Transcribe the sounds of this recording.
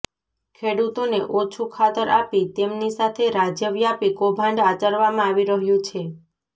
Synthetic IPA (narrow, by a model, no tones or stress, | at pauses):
kʰeɽut̪oneʔɔt͡ʃʰukʰat̪əɾapit̪emnisat̪ʰeɾad͡ʒjəʋjapikobʱãɳɖat͡ʃəɾʋamãaʋiɾəɦjũt͡ʃʰe